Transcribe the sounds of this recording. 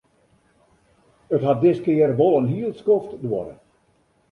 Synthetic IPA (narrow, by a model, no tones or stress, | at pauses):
ətɦat̚dɪskɪərʋolˠənɦiəlˠskɔftdwɔ̰ɾə̰